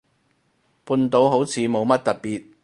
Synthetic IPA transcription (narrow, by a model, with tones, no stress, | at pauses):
puː˧nt̪o˨˧wɦo˨˥wt͡sʰiː˨˧mo˨˧wmɐ˥t̚t̪ɐ˨t̚piː˨t̚